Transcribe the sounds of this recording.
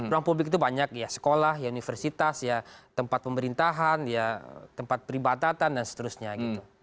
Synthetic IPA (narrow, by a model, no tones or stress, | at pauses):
uɾaŋpublɪkit̪ubaɲak̚jasə̥kolahjaunifərsit̪asjat̪əmpat̪̚pəməɾint̪aɦanjat̪əmpat̪̚pəɾibat̪at̪andansə̥t̪əɾusɲaɡit̪u